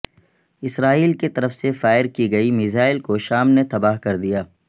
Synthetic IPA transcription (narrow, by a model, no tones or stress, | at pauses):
ɪsɾaːiːlket̪ɐɾəfsefaːɪɾkiɡɐimizaːɪlkoʃaːmnet̪ɐbaːɦkɐɾd̪ijaː